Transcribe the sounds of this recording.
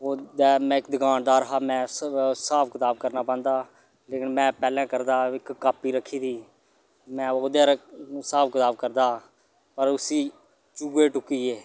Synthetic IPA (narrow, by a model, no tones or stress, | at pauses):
oːd̪ɛːmɛ̃ːɪkd̪ɪkaːnd̪aːɾəɦaːmɛ̃ːsaːpʰkət̪aːb̚kəɾnaːpɛ̃ːnd̪aː | leːkɪnmɛ̃ːpɛːlɛ̃ːkəɾd̪aːɪkːaːpːiːɾəkʰːiːd̪iː | mɛ̃ːoːd̪eːɾsaːpkɪt̪aːbkəɾd̪aː | pəɾʊsiː | t͡ʃuːeːʈʊkːiːeː